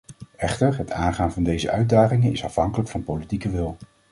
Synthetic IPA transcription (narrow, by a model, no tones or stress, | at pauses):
ɛχtəɹɦətʰaːnχaːnvɑndejzə̰ʔœɥ̚daːχɪŋənɪ̰sɑfɦɑŋkələkfɑnpowlitikəʋɪlˠ